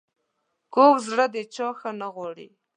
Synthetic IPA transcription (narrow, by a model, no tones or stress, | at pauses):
kokzɽəd̪ət͡ʃɑxənaɣwɑɽḭ